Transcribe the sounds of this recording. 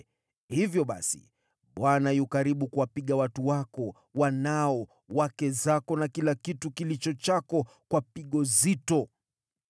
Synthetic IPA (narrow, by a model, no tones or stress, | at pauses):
hivjɔɓa̰sḭ | ɓwanajukaɾiɓukuwapiɠawatuwakɔ | wanaɔ | wakɛzakɔnakilakitukilit͡ʃɔt͡ʃakɔ | kwapiɠɔzitɔ